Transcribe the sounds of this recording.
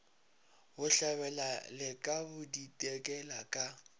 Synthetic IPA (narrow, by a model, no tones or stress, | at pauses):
bʊɬaβɛlalɪkʼabʊditʼɛkʼɛlakʼa